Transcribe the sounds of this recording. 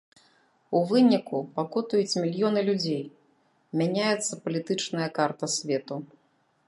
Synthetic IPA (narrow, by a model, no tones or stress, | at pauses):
uvɨnʲikupakɔt̪ujut͡sʲmʲilʲjɔnɨlʲud͡zʲej | mʲanʲajɛt̪sːɐpɐlʲit̪ɨt͡ʂnɐjɐkart̪ɐsʲvʲɛt̪u